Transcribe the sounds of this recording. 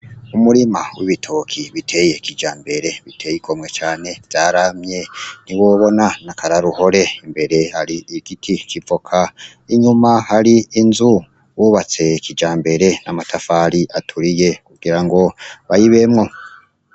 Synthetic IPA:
umuɾimawiβitʰokʰiβitʰe̞je̞kid͡ʒaːmbe̞ɾe̞βitʰe̞jikʰo̞mŋe̞t͡ʃaːne̞vzaːɾamɲe̞niwo̞βo̞nanakʰaɾaɾuho̞ɾe̞imbe̞ɾe̞haɾiiɡ̥itʰikivokʰa | iɲumahaɾiinzu | wuβat͡se̞kid͡ʒaːmbe̞ɾe̞namatʰafaːɾiʔatʰuɾije̞kuɡ̥iɾaŋɡo̞βajiβe̞mŋo̞

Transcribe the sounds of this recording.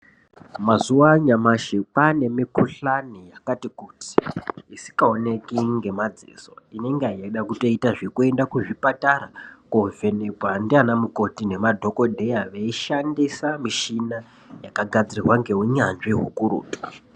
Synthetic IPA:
mazuwaɲamaʃepane̞mikuɬanijakatikuti̥isi̥kaone̞kiŋɡe̞mad͡zḭːso̞̰ine̞ŋɡeaijaiɗakuto̞itaʐikue̞ndakuʐipatarakove̞ne̞kwandianamuko̞tine̞madʱo̞ko̞dʱe̞jaʋeiʃandisamiʃina | jakaɡʱad͡zirirwaŋɡe̞wuɲanʐiɦukuɾṵːtu̥

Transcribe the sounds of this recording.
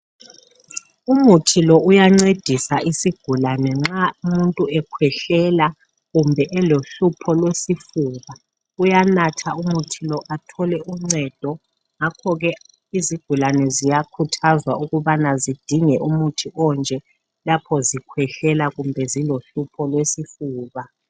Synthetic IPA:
umutʰilɔʔujaŋ͡ǀed̥ʱisaʔisiɡ̥ʱulanɛŋ͡ǁaumuntʼuɛkʰwɛɬɛla | ɣumbʱɛʔɛloɬupʰɔlwesifuːɣa | ujanatʰaumutʰilɔʔatʰɔlɛʔuŋ͡ǀɛd̥ʱɔ | ŋakʰɔɣɛ | iziɡ̥ʱulanɛzijakʰutʰazwauɣuβanazid̥ʱiŋɛʔumutʰiʔɔnd͡ʒʱɛ | lapʰɔzikʰwɛɬɛlaɣumbʱɛziloɬupʰɔlwesifuːβa

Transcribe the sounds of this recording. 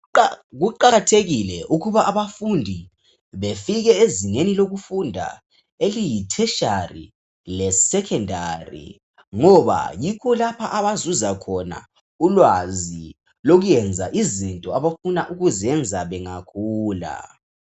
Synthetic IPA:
ɣuǃaɣatʰeɣilɛʔuɣuβaʔaβafundʱi | βefiɣɛeziŋeniloɣufundʱa̰ | elijitʰɛʃarḭ | lɛsɛkʰɛndʱarḭ | ŋɔβa̰jikʰɔlapʰaʔaβazuzakʰɔna̰ | ulwazi | loɣujɛnd͡zʱaʔizintʼɔaβafunaʔuɣuzɛnd͡zʱaβɛŋakʰuːla̰

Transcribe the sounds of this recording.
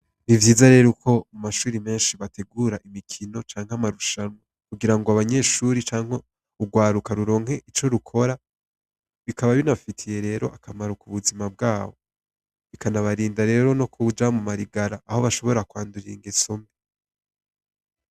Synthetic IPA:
βivjiːzaɾe̞ɾukʰo̞umaʃuːɾime̞ːnʃiβatʰe̞ɡuːɾaʔimikʰino̞t͡ʃaːŋhamaɾuʃano | kuɡiɾaŋɡoaβaɲe̞ːʃuːɾit͡ʃaːŋ̥he | uɡwaːɾukaɾuɾo̞ːŋ̥he̞ʔit͡ʃo̞ɾukʰo̞ɾa | βikaβaβinafitʰije̞ɾe̞ːɾo̞ʔakʰamaɾukuβuzimab̚ɡaːβo̞ | βikanaβaɾiːndaɾe̞ːɾo̞no̞kʰud͡ʒamumaɾiɡaɾaʔːho̞βaʃo̞βo̞ɾakwaːnduɾiŋɡeso̞me

